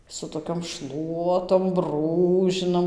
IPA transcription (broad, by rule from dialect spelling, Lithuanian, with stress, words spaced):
sʊ toːˈkʲoːm ˈʃlˠuɔtoːm ˈbruːʒʲɪnɐm